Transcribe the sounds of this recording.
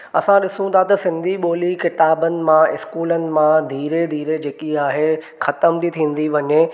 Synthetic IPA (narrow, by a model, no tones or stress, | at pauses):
ɐsãɗɪsũt̪ʰat̪ɐsɪ̃nd̪ʱiɓoːlikɪt̪aːbənɪ̆mãɪskuːlənɪ̆mãd̪ʱiːɾed̪ʱiːɾed͡ʑeːkiaːɦe | xɐt̪əmt̪it̪ʰĩːn̆d̪iʋɐɲe